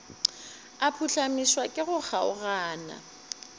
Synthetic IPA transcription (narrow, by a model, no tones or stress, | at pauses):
apʰuɬamiswakʼɪɣʊk͡xaʊɣaːna̰